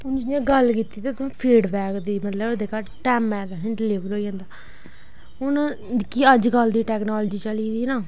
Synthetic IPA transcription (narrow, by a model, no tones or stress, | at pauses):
ʊnd͡ʒ̃ːɡəlkiːt̪iːt̪et̪ʊãːpʰiːɖbɛːkd̪iːmət̪ləbd̪eːkaɾʈɛːmɛːd̪aːɦɪ̃ɳɖleːʋəlɦoːiːd͡ʒãːnd̪aː | ɦʊn | kiəd͡ʒkəld̪iːʈɛːknaːləd͡ʒiːt͡ʃəliːd̪iːnaː